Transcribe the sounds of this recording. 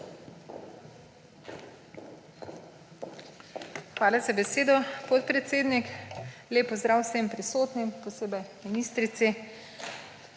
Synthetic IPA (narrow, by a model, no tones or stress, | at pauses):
xʋaːlazabɛseːd̪ɔpɔt̪pɾɛt̪seːd̪nikleːpɔzd̪ɾaːwsempɾisoːt̪nimpɔseːbɛjminiːst̪ɾit̪si